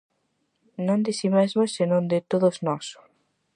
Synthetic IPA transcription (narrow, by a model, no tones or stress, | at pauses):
nõnd̪ɪsimezmosːenõnd̪ɪt̪oðosznɔs